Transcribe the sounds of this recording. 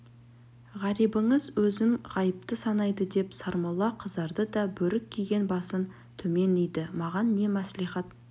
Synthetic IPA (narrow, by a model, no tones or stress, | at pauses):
ʁɑɾijbəɴəzwɵzɪŋʁɑjəp̚t̪əsɑnɑjd̪əd̪e̞psɑɾmɑlˠɑqʰəzd̪ɑɾd̪əd̪ɑbɵɾɪkʲʰːijɡʲe̞nbɑsən | t̪ʰɵme̞nejd̪ɪmɑʁɑnːe̞mæsliχɑt̪